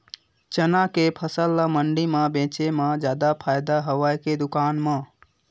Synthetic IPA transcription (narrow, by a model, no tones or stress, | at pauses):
t͡ʃənakepʰəsəlːaməɳɖimãbẽt͡ʃemãd͡ʒjaːd̪apʰaːjd̪aɦəʋajked̪ʊkaːnmã